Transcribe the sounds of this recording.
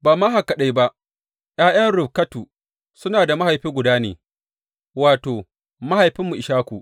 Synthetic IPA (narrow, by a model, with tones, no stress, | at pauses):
baː˨maː˦ɦa˨kɐ˨ɗa˦jba˦ʔ | j̰aː˦j̰ɐ˦nɾʊ˨bkɐ˦tu˨ | sʊ˦naː˨da˨ma˦ha˨jɸiː˦ɡʷʊ˨daː˦nḛː˨ | waː˨toː˨ | ma˦ha˨jɸɪ˦mːu˨ʔɪ˨ʃaː˦kʷṵ˨ʔ